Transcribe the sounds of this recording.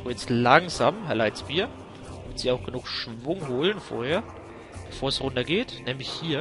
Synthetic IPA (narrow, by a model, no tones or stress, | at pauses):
jɛt͡stlaŋzaːmɦɛɐlaɪt͡sb̥iːɐ | mɪtz̥iːaʊxɡ̥ənuːxʃv̥ʊŋɦoːlənfo̰ːɐheːɐ | b̥əfoːɐsʁʊndɐɡeːtnɛːmlɪçhiːɐ